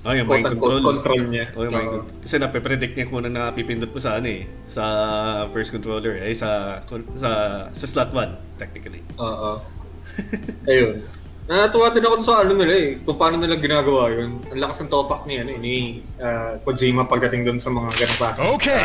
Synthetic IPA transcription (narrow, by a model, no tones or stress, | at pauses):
ʔojɐaj̪ɐkonɾolkont̪ɾolɲɐʔojʊmajko | kɐsɛnɐpɛpɾɛd̪ɪk̪̚ɲɐkuːnɐŋnɐɐpipɪnd̪ʊd̪pʊsɐʔɐnoɛ | sɐfɛɹst̪kɔnt̪ɾoːlɛɹʔɐjsɐkosɐsɐslat̪̚wan | t̪ɛk̚nɪkɐli | ʔoːʔo | ʔɐjon | ɐt̪ɐwaːt̪ɪnɐkod̪ʊsɐʔɐnonɪlaɛkʊŋpaːnonɪlaɡɪnaːɡɐwaːjonɐŋlɐkɐsɐŋt̪oːpɐk̚nɐjɐnni | ʔakod͡ʒiːmɐpɐɡ̚d̪ɐt̪ɪŋd̪ʊnsɐmɐŋaɡɐnoŋklaːsoke